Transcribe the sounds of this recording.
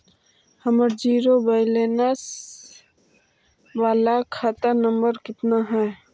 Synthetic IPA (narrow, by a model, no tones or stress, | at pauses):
həməɾd͡ʒiːɾobəɪleːnəs | ʋaːlakʰaːt̪anəmbəɾkɪt̪naɦɛ